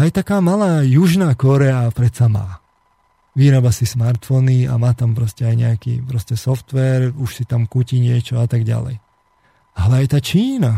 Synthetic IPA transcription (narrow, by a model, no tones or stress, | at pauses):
ajt̪akaːmalaːjuʒnaːkɔɾɛapɾɛt̪sama̰ː | ʋiːɾabasismaɾt̪fɔnia̰maːt̪ampɾɔscɛajɲɛakḭːpɾɔscɛsɔft̪ʋɛɾuʃsit̪amkuciɲɪɛt͡ʃɔat̪aɡɟa̰lɛ̰j | alɛajt̪aːt͡ʃiːna